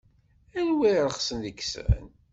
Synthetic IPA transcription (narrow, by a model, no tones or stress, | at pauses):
ælwiɾˤəχsənðəkːsə̰n